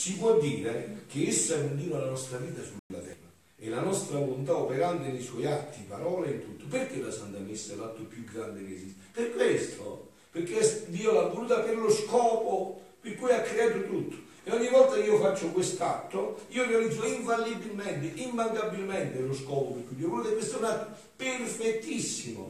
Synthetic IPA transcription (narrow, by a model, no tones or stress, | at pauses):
t͡ʃipwɔd̪ːiːɾek̟ɪesːaɛund̪iːɾalanɔst̪ɾaviːt̪asulːnla̰t̪ɛ̰ːra | ɛ̰lanɔst̪ɾalont̪aopɛɾant̪ɪneswɔjat̪ːipaɾɔːleint̪ut̪ːʊpɪrkelːasant̪amesːaɛlːat̪ːʊpjuɡːɾand̪ɪk̟ḛsist̪pɪrkːwest̪ʰo̰ | peɾkesd̪iːolavːoluːt̪apɪɾlʊskɔːpo | perkujakːɾeaːt̪ʊt̪ut̪ʰːʊ̥ | ɛɔɲːivɔlt̪akiːofat͡ʃːʊkwest̪at̪ːoiːorealid̪zʊiɱfalːibilmɛnt̪ɪʔimbaŋkabːilmɛnt̪ɪlʊskɔːpopeɾkːuid̪iavolut̪akwest̪aunat̪ːʊ | perfet̪ːisːimʊ̰